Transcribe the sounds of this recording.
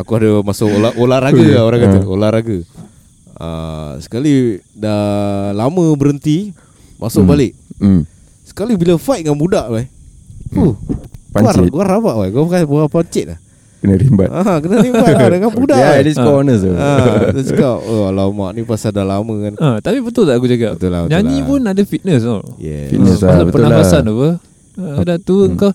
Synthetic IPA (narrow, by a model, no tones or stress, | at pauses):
akuadamasʊkolaʔʔolaɾaɡəoɾãŋkaəolahɾaɡə | a̰sə̥kalidalaməbəɾənt̪i | mʔasʊkbalɪʔ | sə̥kalibilafajt̪̚ŋanbudaʔwapupaɲat͡ʃɡuarabaʔwajɡuapkapəapaɲt͡ʃɪt̪̚lah | kənaɾimba̰t̪ʔakənaɾimbbaŋanbudajaliskɔnəs̬aadasəkkaʔəalama̰ʔnipasadalaməŋanat̪apibət̪ʊlaʔkud͡ʒaɡabət̪ula̰bətd͡ʒanipʊnadafit̪̚nəs̬ajɛ̰ḭnəsaaabətpənalfasanapə | dat̪uəŋka